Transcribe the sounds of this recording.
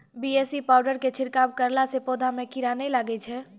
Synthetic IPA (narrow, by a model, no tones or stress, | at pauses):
biesipawɖəɾket͡ʃʰiɾkabkəɾlasepod̪ʱamekiɾanɛlaɡɛt͡ʃʰɛ